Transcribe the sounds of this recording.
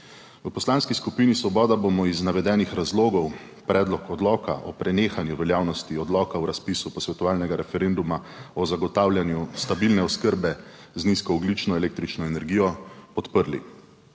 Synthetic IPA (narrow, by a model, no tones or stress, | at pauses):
wəpɔslaːnskiskupinisʋɔbɔːd̪abomɔiznaʋɛd̪ɛːnixɾazloːɡɔw | pɾɛːd̪lɔkɔd̪lɔːka̰ʔɔpɾɛneːxanjuʋɛljaːwnɔst̪iɔd̪lɔːkawɾaspisupɔsʋɛt̪ɔʋaːlnɛɡaɾɛfɛɾend̪umaɔzaɡɔt̪aːwljanjust̪abilnɛɔskəɾbɛzniskɔɔɡlit͡ʃnɔɛleːk̚t̪ɾit͡ʃnɔɛnɛɾɡiːjɔpɔt̪pəɾlḭ